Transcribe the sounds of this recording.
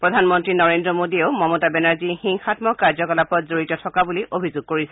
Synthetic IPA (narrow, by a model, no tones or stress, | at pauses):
pɹɔdʱanmɔntɹinɔɹendɹɔmodieʊmɔmotabɛnaɹzixiŋxatmɔkaɹzɔkɔlapɔtzoɹitɔtʰɔkabuliʔobʱizʊɡ̚koɹisɛ